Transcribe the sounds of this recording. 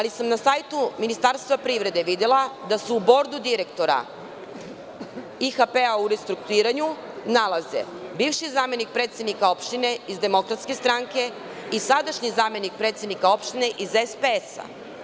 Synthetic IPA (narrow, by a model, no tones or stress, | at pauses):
alisamnasajt̪uminist̪aɾst̪ʋapɾiʋɾe̞d̪e̞ʋid̪elad̪aseubo̞ɾd̪ud̪iɾe̞kt̪o̞ɾa̰ | ixape̞auɾest̪ɾuk̚t̪uiːɾaɲu | nalˠaze̞̰ | biːʋʃizaːme̞nik̚pɾet̪sed̪nikao̞pʃt̪ine̞izd̪e̞mo̞kɾat̪ske̞st̪ɾaŋke̞ | isad̪aʃɲizaːme̞nik̚pɾet̪se̞d̪nikao̞pʃt̪ine̞ʔizespeesa̰